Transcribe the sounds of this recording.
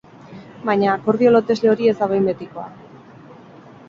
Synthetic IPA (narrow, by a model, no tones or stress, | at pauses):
bajɲakoɾðio̞lo̞t̪e̞zle̞o̞ɾie̞zd̪aβajmbe̞t̪iko̞a̰